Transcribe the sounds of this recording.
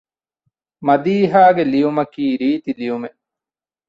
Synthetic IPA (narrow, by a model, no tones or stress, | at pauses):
mɐd̪iːɦaːɡeliumɐkiːɾiːt̪iliume